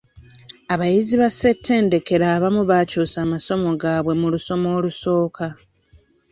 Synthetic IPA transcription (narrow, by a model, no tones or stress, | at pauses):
aβajiziβase̞tʰːe̞ːnde̞ke̞ɾaːβamuβaːcoːsaːmaso̞mo̞ɡaːβwe̞muluso̞mo̞ːluso̞ːkʰa